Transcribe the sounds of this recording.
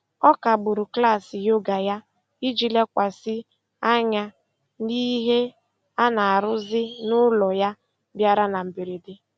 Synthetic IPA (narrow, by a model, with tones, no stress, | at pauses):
ɔ˦ka˨ɡ͡bʊ˨ɾʊ˨kla˦˨sɪ˨jo˦ɡa˨ja˦ | i˦d͡ʒi˨le˦kʷa˨sɪ˦ | a˦ɲa˦ | ni˦ɦe˦ | a˦na˨a˨ɾʊ˦zɪ˦nʊ˦lɔ˨ja˦ | bja˦ɾa˦na˨m̩˨bi˨ɾe˨dɪ˦